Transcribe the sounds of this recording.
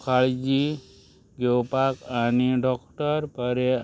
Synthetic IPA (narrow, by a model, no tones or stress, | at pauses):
kʰaɭd͡ʒi | ɡewpakaniɖɔkʈəɾpəɾe